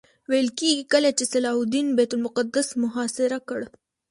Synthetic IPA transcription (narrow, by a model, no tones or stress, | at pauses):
wajəlkeɡikəlat͡ʃesalɑɦud̪inbet̪ʊlmʊqad̪asmʊɦɑsɪɾakəɽ